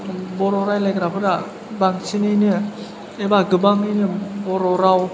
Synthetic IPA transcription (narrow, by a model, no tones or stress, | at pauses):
bɔɾɔɾajlajkɾapʰɯda | baŋsʰinɯnɯ | ebaɡɯbaŋɯjnɯbɔɾoɾaw